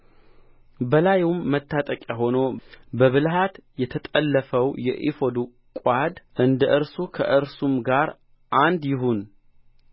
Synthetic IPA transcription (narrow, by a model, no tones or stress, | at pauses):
bəlajumːət̪ʰːat̪ʼəkʼjaɦo̞no̞bəβɨlɦat̪jɛt̪ʰət̪ʼəlːəfəwjɛ̰ʔḭfo̞d̪u | kʼad̪ʔɨnd̪əʔɨɾsukʰə̰ʔɨɾsumɡaɾ | ʔand̪jɪɦun